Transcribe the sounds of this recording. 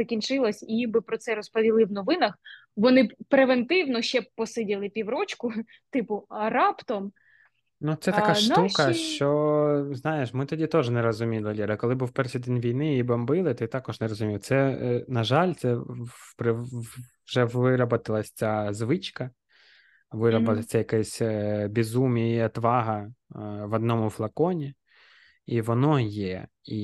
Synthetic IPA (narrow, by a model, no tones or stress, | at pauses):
zɐkʲint͡ʃɪlˠɐsʲiibɪpɾɔt̪sɛɾɔspɔʋʲilˠɪwnɔʋɪnɐx | ʋɔnɪpɾeʋent̪ɪwnɔʃt͡ʃɛpɔsɪdʲilˠɪpʲiwɾɔt͡ʃkʊ | t̪ɪpʊɐɾɑpt̪ɔm | nut̪sɛt̪kaʃukɐʃt͡ʃɔznɑjeʃmɪt̪ɔdʲit̪ɔʒnɛɾɔzʊmʲilˠɐlʲiɾɐkɔlˠɪbuwpɛrʃijd̪ɛnʲʋʲijnɪibɐmbɪlˠɪt̪ɪt̪ɑkɔʒnɛɾɔzʊmʲiwt̪sɛnɐʒɑlʲt̪sɛpɾɪ | ʒɛʋɪɾɐbɐt̪ɪlˠɐsʲt͡sʲazʋɪt͡ʃkɐ | ʋɪɾɐbɐɐt͡s̪ʲɛjɐkɛsʲbʲizumʲijɐt̪ʋɑɦɐ | ʋɔd̪nɔmʊflˠɐkɔnʲi | iʋɔnɔjɛ | i